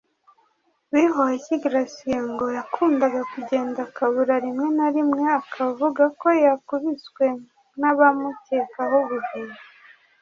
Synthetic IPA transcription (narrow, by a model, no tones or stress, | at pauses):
βiɦoeciɡɾasijeŋɡo̞jakʰuːndaɡakuɟe̞ːndakaβuɾaɾimŋe̞naɾimŋe̞akʰavuɡako̞jakuβisɡwe̞ | naβamute̞ːkaɦoβuviɾa